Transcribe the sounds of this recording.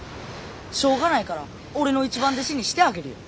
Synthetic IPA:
ɕo̞ːɡanaikaɾa | o̞ɾe̞no̞it͡ɕibãnd̪e̞ɕiɲ̟iɕi̥t̪e̞aɡe̞ɾɯ̟jo̰

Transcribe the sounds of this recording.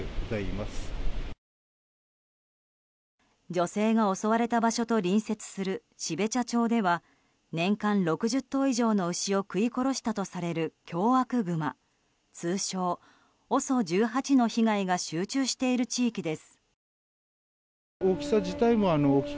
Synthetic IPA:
ɡozaimasɨ̥ | d͡ʑo̞se̞ːɡao̞so̞βaɾe̞t̪abaɕo̞t̪o̞ɾʲĩɰ̃se̞t͡sɨ̥sɨɾɯ̟ | ɕibe̞t͡ɕat͡ɕo̞ːd̪e̞β̞a | nẽ̞ŋkãnɾo̞kɯ̟ʑɨt̪ːo̞ːiʑo̞ːno̞ɯ̟ɕio̞kɯ̟iko̞ɾo̞ɕi̥t̪at̪o̞saɾe̞ɾɯ̟kʲo̞ːβakɯ̟ɡɯ̟ma̰ | t͡sɨːɕo̞ː | o̞so̞d͡ʑɨːɦat͡ɕino̞çiɡaiɡaɕɨːt͡ɕɨːɕi̥t̪e̞iɾɯ̟t͡ɕiːkʲid̪e̞sɨ̥ | okʲi̥saʑit̪aimo̞anoːkʲ

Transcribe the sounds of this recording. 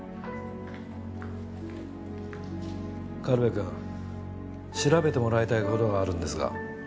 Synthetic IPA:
kaɾɯβekɯ̃ | ɕiɾabe̞t̪e̞mo̞ɾait̪aiko̞t̪o̞ɡaːɾɯ̟̃nd̪e̞sɨɡa̰

